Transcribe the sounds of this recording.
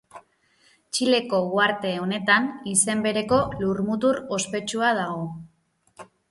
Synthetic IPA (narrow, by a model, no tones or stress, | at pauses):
t͡ʃile̞ko̞ɣwaɾt̪e̞o̞ne̞t̪anise̞mbe̞ɾe̞ko̞luɾmut̪uɾo̞spe̞t͡ʃuað̞aɣ̞o̞